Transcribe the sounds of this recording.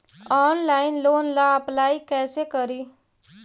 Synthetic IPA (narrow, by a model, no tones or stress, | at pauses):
ɔːnlaːɪnloːnlaəplaːikɛːsekəɾiː